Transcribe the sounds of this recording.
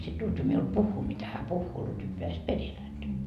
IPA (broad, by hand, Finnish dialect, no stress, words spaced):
sit lutʋi miul puhːuː mitæ hæ puhːuː lutʋi peæs peril hæntæ